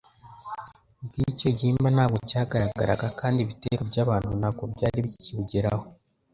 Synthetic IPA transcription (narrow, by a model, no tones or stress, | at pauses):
ɟiceɟiːmbanhaːβɡocaːɡaɾaɡa̰ɾa̰ɡakaːndiβiteɾobɟaːβaːnhunaɡobɟaːɾiβiciβuɟeɾa̰ho